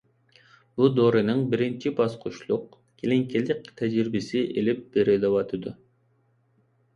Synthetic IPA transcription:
bud̪oɾenɨŋbɪɾɪnt͡ʃʰibɑsqʰʊʃlˠʊq̚ | kʲʰeleŋkʰʲelɪk̚ʲt̪ʰɛd͡ʒɾɪbɪsɪʔelɪp̚b̥eɾed̪ewɑt̪ʰɨd̪ʊ

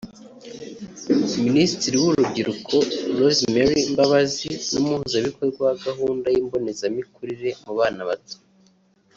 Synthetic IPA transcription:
ministiɾiwuɾubɟiɾukʰo̞lozmeɾimbaβazinumuhuzaβikozɡaɡaɦuːndajiːmbo̞ne̞zamikuɾiɾe̞muβaːnaβatu̥

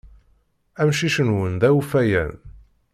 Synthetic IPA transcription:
æmʃiʃənwənd̪æufæjæ̰n

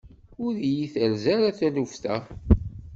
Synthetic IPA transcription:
ʊɾjiθəlzæɾæθælufθæ̰

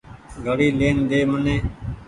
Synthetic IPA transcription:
ɡəɽiːleːnd̪eːmənẽː

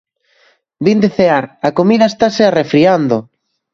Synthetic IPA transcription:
bind̪eθeaɾakomiðaest̪asearefɾiand̪oʊ

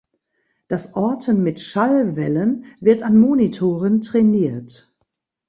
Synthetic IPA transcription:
d̥asʔɔɐtʰənmɪtʃalvɛlənvɪɐtanmoːnitʰoːʁəntʁ̥ɛniːɐt

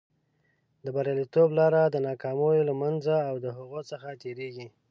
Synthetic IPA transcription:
d̪əbaɾjɑlit̪oblɑɾad̪ənɑkɑmojolamanzaːwd̪əɦaɣot͡səxat̪eɾeɡi

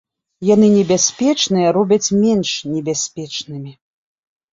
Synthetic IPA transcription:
janɨnʲɛbʲasʲpʲɛt͡ʂnɨjɐɾɔbʲɐt͡sʲmʲɛnʂnʲɛbʲasʲpʲɛt͡ʂnɨmʲi

